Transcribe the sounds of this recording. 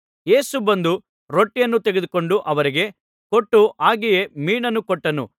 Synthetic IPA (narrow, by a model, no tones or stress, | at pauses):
je̞ːsubɐnd̪u | ɾoʈːijɐnːut̪eɡed̪uko̞ɳɖuʔɐʋɐɾiɡe̞ | koʈːuʔaːɡije̞miːɳɐnːukɔʈːɐnṵ